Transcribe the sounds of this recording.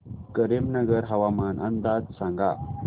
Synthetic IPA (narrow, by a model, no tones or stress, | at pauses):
kəɾemnəɡəɾɦəʋamanʔə̰nd̪ad͡zsãŋɡa